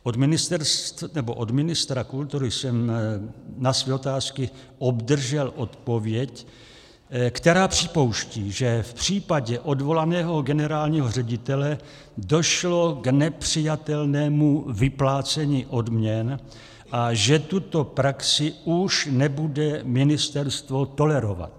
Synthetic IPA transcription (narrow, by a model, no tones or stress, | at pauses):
ʔod̪mɪnɪst̪ɛɾst̪nɛboʔo̞dmɪnɪst̪ɾakult̪uɾɪsɛm | nasvɛːot̪aːskɪ | o̞bdr̩ʒɛlʔo̞t̪po̞vjɛc | kt̪ɛɾaːpr̝̥ɪpo̞wʃciːʒɛfpr̥iːpaɟɛʔo̞dvo̞lanɛːɦo̞ɡɛnɛɾaːlɲiɦor̝ɛɟɪt̪ɛlɛ | do̞ʃlo̞ɡnɛpr̝̥ɪjat̪ɛlnɛːmuvɪplaːt͡sɛɲiːʔo̞dmɲɛn | ʔaʒɛt̪ut̪o̞pɾaksɪʔuʃnɛbudɛmɪnɪst̪ɛɾst̪vo̞t̪o̞lɛɾo̞va̰t̪̚